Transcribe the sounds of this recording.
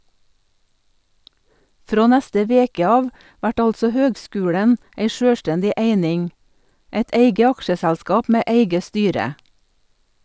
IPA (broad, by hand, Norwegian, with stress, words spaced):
ˈfɾoː ˈnɛstə ˈʋeːkə ˈɑːʋ ˈʋæʈ ˈɑltsɔ ˈhøːɡˌskʉːɽən ˈeɪ ˈʃøːˌstɛndɪ ˈʔeɪnɪŋ ˈæɪt ˈæɪɡə ˈɑkʃəsɛlˌskɑːp ˈmeː ˈæɪɡə ˈstyːɾə